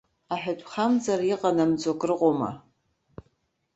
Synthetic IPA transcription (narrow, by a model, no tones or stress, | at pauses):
aħᶣatʷʰʼχamd͡zariqʼanamd͡zʷʼokʼrɨqʼoma̰